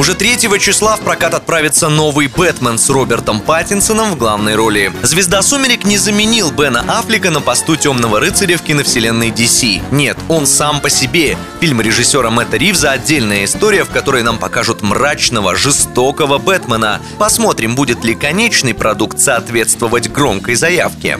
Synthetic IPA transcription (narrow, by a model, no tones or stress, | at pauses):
ʊʐɛt̪ɾʲetʲjɪvət͡ɕɪslˠafpɾɐkat̪ɐt̪̚pɾavʲɪt̪səno̞vɨjbɛt̪mənsro̞bʲɪrt̪əmpatʲɪnsənəmvɡlˠavnəjɾo̞lʲɪzvʲɪzd̪asumʲɪɾʲɪknʲɪzəmʲɪnʲilˠbɛnəʔaflʲɪkənəpɐst̪utʲo̞mnəvəɾɨt̪sɨɾʲɪfkʲɪnəfsʲɪlʲe̞nːəjdʲɪsʲinʲe̞t̪o̞nsampəsʲɪbʲe | fʲilʲmɾʲɪʐɨsʲːo̞ɾəmɛt̪əɾʲivzəɐdʲːelʲnəjəɪst̪oɾʲɪjəfkɐt̪o̞ɾəjnampɐkaʐɨt̪mrat͡ɕnəvə̰ʐɨst̪o̞kəvəbɛt̪mənə̰ | pɐsmo̞t̪ɾʲɪmbudʲɪt̪lʲɪkɐnʲet͡ɕnɨjpɾɐd̪ukt̪sɐːt̪vʲe̞t̪st̪vəvətʲɡɾo̞mkəjzɐja̰fkʲɪ̰